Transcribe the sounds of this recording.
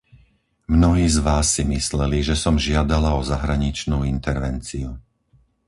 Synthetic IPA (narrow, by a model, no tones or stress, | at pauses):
mnɔɦiːzʋaːsːimislɛliʒɛsɔmʒɪad̪alaɔzaɦɾaɲit͡ʃnuːint̪ɛɾʋɛnt͡siu